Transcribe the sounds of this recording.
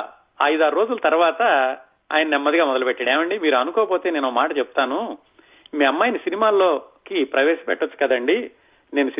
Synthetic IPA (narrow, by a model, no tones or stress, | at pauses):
ɐjd̪aːɾo̞ːd͡ʒulɐt̪ɐɾuʋaːt̪ɐ | a̰ːjɐnɐnɛmːɐd̪iɡaːmɔd̪ɐlupɛʈːɐɽeːʋɐɳɖimiːɾuɐnukɔːɐpo̞ːt̪e̞ːne̞ːnokmaːʈɐt͡ʃepu̥t̪aːnu | miːɐmːaːjinɐsinimaːlo̞ːkipɾɐʋeːʃɐ̥pɛ̰ʈːɐt͡ʃːu̥kɐd̪ɐɳɖi | ne̞ːnusi